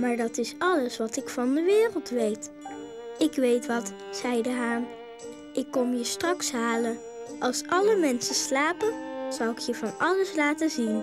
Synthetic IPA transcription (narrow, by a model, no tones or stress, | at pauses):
maːɹdɑtɪsɑləsʋɑtɪkfɑndəʋɪːrəlˠtʋejt | ɪkʋejtʋɑt | sɛjdəɦaːm | ʔɪkːɔmjəstrɑksɦaːlən | ʔɑlˠsʔɑləmɛnsəslaːpənz̥ʌwɪkʰjəvɑnɑləslaːtəzin